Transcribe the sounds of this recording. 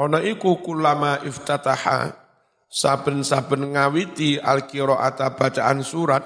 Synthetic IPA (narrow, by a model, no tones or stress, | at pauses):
ɔnɔikukulamaʔɪft̪at̪aha̰ | sab̥ə̤nsab̥ə̤nŋawit̪ialkiɾɔʔa̰t̪ab̥a̤t͡ʃaʔansuɾat̪̚